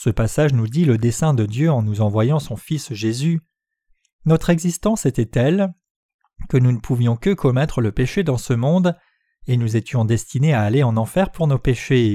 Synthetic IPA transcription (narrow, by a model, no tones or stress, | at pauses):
səpasaʒnud̪iləd̪esɛ̃d̪əd̪jøɑ̃nuzɑ̃vwajɑ̃sɔ̃fisʒezy | nɔt̪χɛɡzist̪ɑ̃set̪ɛt̪ɛl | kənunəpʰuvjɔ̃kəkʰɔmɛt̪χələpeʃed̪ɑ̃səmɔ̃d̪ | enuzet̪jɔ̃d̪ɛst̪ineaːleɑ̃nɑ̃fɛʁpuʁnopeʃe